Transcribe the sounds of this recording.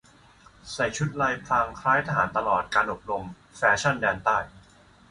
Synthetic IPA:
sa˨˩jt͡ɕʰu˦˥t̪̚la˧jpʰlaː˧ŋkʰaː˦˥jt̪ʰaː˧ɦaː˩˦nt̪a˧lɔː˨˩t̪̚kaː˧nʔo˨˩p̚lo˧m | fɛː˧t͡ɕʰa˥˩ndɛː˧nt̪aː˥˩j

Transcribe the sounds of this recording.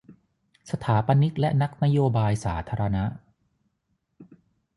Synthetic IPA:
sa˧t̪ʰaː˩˦pa˧ni˦˥t̪̚lɛ˦˥na˦˥k̚na˦˥joː˧baː˧jsaː˩˦t̪ʰaː˧ɾa˧na˦˥ʔ

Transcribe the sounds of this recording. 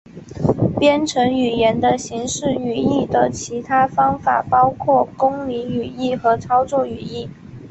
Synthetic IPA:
pjɛ˥nʈ͡ʂʰɤ˧˥ŋy˨˩jɛ˧˥nd̪ə˧ɕi˧˥ŋʂɻ̩˥˩y˨˩i˥˩d̪ə˩t͡ɕʰi˧˥t̪ʰa˥fɑ˥ŋfa̰˨˩pɑ˥ʊkʰwɔ˥˩kʊ˥ŋli˧˥ŋy˨˩i˥˩xɤ˧˥t͡sʰɑ˥ʊt͡swɔ˥˩y˨˩i˥˩

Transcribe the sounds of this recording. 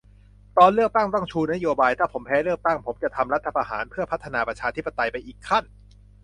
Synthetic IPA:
t̪ɔː˧nlɯ˥˩ək̚t̪a˥˩ŋt̪ɔ˥˩ŋt͡ɕʰuː˧na˦˥joː˧baː˧jt̪ʰaː˥˩pʰo˩˦mpʰɛː˦˥ɾɯ˥˩ək̚t̪a˥˩ŋpʰo˩˦mt͡ɕa˨˩t̪ʰa˧mɾa˦˥t̪ʰːa˧pʰa˧ɦaː˩˦npʰɯ˥˩ɐpʰa˦˥t̪ʰːa˧naː˧pɾa˧˩t͡ɕʰaː˧t̪ʰi˦˥pːa˧t̪a˧jpa˧jʔiː˨˩kʰːa˥˩n

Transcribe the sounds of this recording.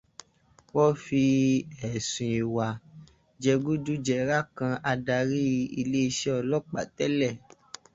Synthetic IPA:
wɔ˦fi˧ɛ˨sũ˨i˨wa˨ | d͡ʒɛ˧ɡu˦du˦d͡ʒɛ˧ɾa˦˨kã˧a˧da˧ɾi˦i˧le˦i˧ʃɛ˦ɔ˧lɔ˦k͡pa̰˨tɛ˦lɛ˦˨

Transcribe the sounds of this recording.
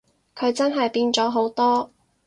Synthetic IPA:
kʰɵ˨˧ɥt͡sɐ˥nɦɐ˨jpiː˧nt͡sɔː˨˥ɦo˨˥wt̪ɔː˥

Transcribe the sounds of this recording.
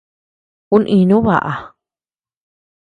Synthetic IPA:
ku˦nʔĩ˧nũ˦βa̰˨ʔa˨

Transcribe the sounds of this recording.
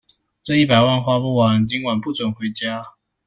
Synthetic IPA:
t͡sɤ˥˧i˥˩pa˨˩ɪwa˥˧nxwa˥pu˥˩wa˨˦nt͡ɕi˧˥ŋwa˨˩npu˥˨t͡swə˨˩nxwe˨˧˥ɪt͡ɕja˦˥

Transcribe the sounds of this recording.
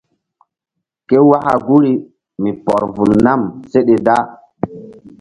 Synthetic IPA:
ke˦wa˦ha̰˨ɡu˦ɾi˦ | mi˨pɔ˨ɾvu˨lna˦˨mse˦ɗe˨da˦

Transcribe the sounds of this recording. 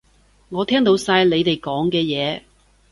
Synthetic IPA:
ŋɔː˨˧t̪ʰɛː˥ŋt̪o˨˧˥wsaː˧jle˨˧jt̪e˨˩jkɔː˨˥ŋkɛː˧jɛː˨˧

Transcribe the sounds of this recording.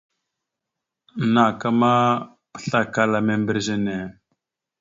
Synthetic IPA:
na˨ka˦ma˦ | pə̥˦ɬa˦ka˦la˨me˨mbə˨ɾze˦ne˨

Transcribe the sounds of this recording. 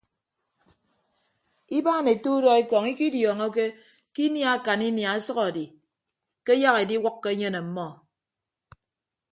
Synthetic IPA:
i˦baː˦ne˨tu˦dɔ˦i˦kɔ˨ŋi˦ki˦djɔː˨ŋɔ˦ke˦ | ki˦nja˨a˦˨ka˨ni˦nja˨a˦sɔ˦ɣɔ˨di˨ | ke˦ja˦ɣe˨di˦wɔ˦kːe˦e˦ɲe˦ne˨m̩˦mɔ˦

